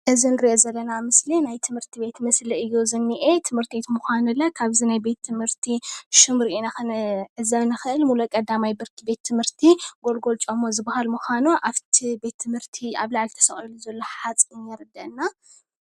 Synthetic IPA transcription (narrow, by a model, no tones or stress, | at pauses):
ʔɨzinɨɾiʔo̞zɐlːɐnamɨslinajt̪ʰɨmhɨɾt̪ʰibe̞t̪mɨsliɨjːozɨnːiʔet̪ʰɨmhɨɾt̪ʰet̪muxanulːɐkʰaβzinajbe̞t̪ʰːɨmhɨɾt̪ʰiʃɨmɾiinaxnʕɨzɐβnɨxɨʔɨlmulukʼɐd̪amajbɨɾkʰɨbe̞t̪ʰːɨmhɨɾt̪ʰiɡo̞lɡo̞lt͡ʃʼomːozɨbahalmuxʷanuʔaft̪ʰibe̞t̪ʰːɨmhɨɾt̪ʰia̰βlaʕlt̪ʰɐ̥sɐχʼiluzɐlːo̞ħat͡sʼɨnjɐɾɨd̪ɐʔnːa